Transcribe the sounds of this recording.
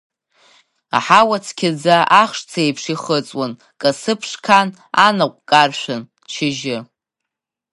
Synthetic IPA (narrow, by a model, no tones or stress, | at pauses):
a̰ħawat͡sʰkʲʰɪd͡zaʔaχʂt͡sʰejpʰʂiχət͡sʼwan | kʼasɨpʰʂkʰan | anaqʷʼkʼarʃʷᶣan | t͡ʃʰɪʒɪ